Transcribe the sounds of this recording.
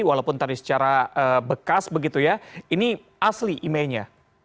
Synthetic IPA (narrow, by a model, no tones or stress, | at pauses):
walawpʊnt̪adisə̥t͡ʃaɾaəbəkasbəɡit̪ujaini | ʔasliʔimalɲa